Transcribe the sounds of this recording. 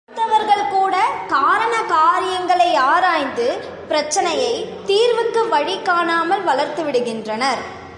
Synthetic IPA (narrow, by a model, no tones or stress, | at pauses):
t̪ːɐʋɐɾɣɐɭkuːɽɐkaːɾɐɳɐkaːɾɪjɐŋɡɐɭɐɪaːɾaːjnd̪ɯ | pɪɾɐt͡ʃːɐnɐjɐɪt̪iːɾʋɯkːɯʋɐɻɪkːaːnaːmɐlʋɐɭɐɾt̪ɯʋɪɽɯɣɪndrɐnɐɾ